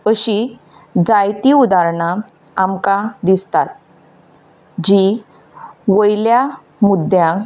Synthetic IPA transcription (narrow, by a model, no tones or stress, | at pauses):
əɕi | d͡zajt̪iud̪aɾɳa | amkad̪ist̪at̪̚ | d͡ʑi | ʋəjlja | mud̪jã